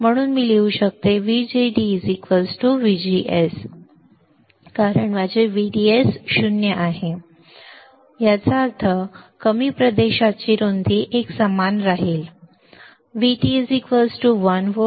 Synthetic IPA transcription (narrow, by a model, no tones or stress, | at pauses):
m̤əɽ̃uːnmiːleuɕək̚t̪eʋid͡ʑeɖid͡zikʋəsʈuʋid͡ʑiʔes | kaɾəɳʋad͡ʑeʋiɖiesɕunjəʔaɦe | jat͡saɾt̪ʰəkəmiːpɾəd̪eɕat͡ɕiːɾond̪ʱiːʔeksəmanɾaɦiːl | ʋiʈizikʋəsʈuʋənʋo